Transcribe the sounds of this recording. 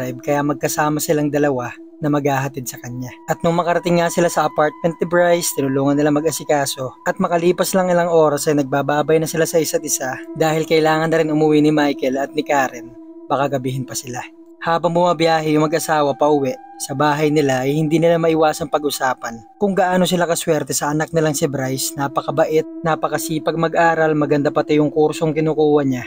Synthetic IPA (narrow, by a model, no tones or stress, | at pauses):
ajb̚kɐjamɐɡ̚kɐsaːmɐsɪlaŋd̪ɐlɐwa | nɐmɐɡ̚haːɦɐt̪ɪd̪̚sɐkɐɲaʔɐt̪̚nʊŋmɐkɐɾɐt̪ɪŋːasɪlasɐʔɐpaɹt̪̚mɛnt̪ɪbɹajst̪ɪnʊluːŋɐnːɪlaŋmɐɡʔɐsɪkaːso̞ʔɐt̪̚mɐkɐliːpɐslɐŋɪlaŋʔo̞ːɾɐsʔɐjnɐɡ̚baːbaːbɐjnɐsɪlasɐʔɪsat̪̚ʔɪsad̪aːhɪlkɐɪlaːŋɐnːɐɾɪnʔʊmʊwinɪmajkɛlɐt̪̚nɪkaːɾɪn | bɐkɐɡɐbiːɦɪnpɐsɪla | haːbɐŋbʊmabjaːɦɛjʊŋmɐɡʔɐsaːwɐpɐʔʊwɛʔsɐbaːɦɐjnɪlaʔɐjhɪnd̪iːnɪlamɐʔɪwaːsɐŋpɐɡʔʊsaːpɐn | kʊŋɡɐʔaːno̞s̬ɪlakɐswɛɾt̪ɛsɐʔɐnak̚nɪlaŋsɪbɾajsnaːpɐkɐbɐʔɛt̪̚napɐkɐsiːpɐɡ̚mɐɡʔaːɾɐlmɐɡɐnd̪apɐt̪ɪjʊŋkuɾso̞ŋkɪnuːkuːwɐɲa